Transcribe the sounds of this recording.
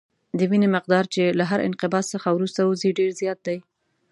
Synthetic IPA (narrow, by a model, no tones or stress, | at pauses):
d̪əwinemɪq̚d̪ɑɾt͡ʃelaɦaɾɪ̰nqɪbɑsəxawɾust̪auziɖeɾzjɑt̪̚d̪aj